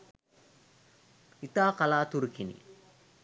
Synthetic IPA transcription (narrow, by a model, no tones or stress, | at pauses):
it̪aːkɐlaːt̪uɾukinḭ